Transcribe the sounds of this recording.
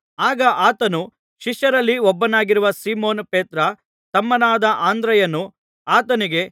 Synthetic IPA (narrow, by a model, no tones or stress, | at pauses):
aːɡɐʔaːt̪ɐnu | ʃiʃjɐɾɐlːiɔbːɐnaːɡiɾuʋɐsiːmoːnpeːt̪ɾɐ | t̪ɐmːɐnaːd̪ɐʔaːnd̪ɾɐjɐnːu | aːt̪ɐniɡe̞